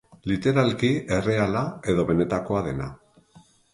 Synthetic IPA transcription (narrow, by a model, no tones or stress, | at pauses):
lit̪e̞ɾalkie̞re̞alae̞ðo̞βe̞ne̞t̪ako̞aðe̞na̰